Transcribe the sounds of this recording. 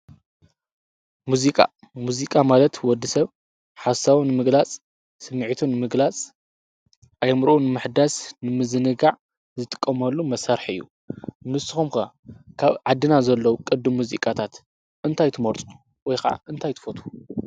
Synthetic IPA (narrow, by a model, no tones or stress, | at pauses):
muzikʼa̰ | muzikʼamalɐt̪wɔd̪ːisɐβ | ħasawnɨmɨɡlat͡sʼ | sɨmːʕit̪ʰunɨmɨɡlat͡sʼ | ʔajɐmɾʔunɨmɨħd̪asnɨmɨzɨnɨɡaʕ | zɨt̪ʼɨ̥kʼːɐmɐlːumɐsɐɾħɨ̰jːṵ | nɨsɨ̥xumkɐ | kʰaβʕad̪ɨnazɐlːɐwukʼɨd̪ːɨmːuzikʼat̪ʰat̪ | ʔɨnt̪ʰajt̪ʰɨmoɾt̪ʼu̥ | wɔjxɐa̰ʔɨnt̪ʰajt̪ʰɨ̥fot̪ʰu̥